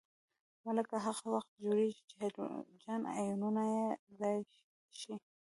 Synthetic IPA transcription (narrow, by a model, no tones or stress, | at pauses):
maləkaɦaɣawaxt̪̚d͡ʒoɾeɡit͡ʃḛd͡ʒana̰jununajezɑj | ʃi